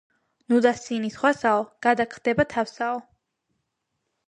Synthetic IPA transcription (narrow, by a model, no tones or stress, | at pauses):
nud̪asinisχwasaɔɡ̥ad̪akʰχd̪ɛbat̪ʰafsaɔ